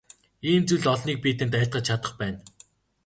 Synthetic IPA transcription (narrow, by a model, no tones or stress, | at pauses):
iːmt͡sujɮɔɮniːk̚piːt̪ɘ̆nt̪æjʰt̪̚ɢə̆t͡ɕt͡ɕʰat̪ə̆χpæːn